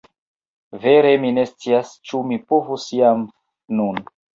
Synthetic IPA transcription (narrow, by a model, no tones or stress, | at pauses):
ve̞ɾe̞mine̞st͡siast͡ʃumipovusiam | nun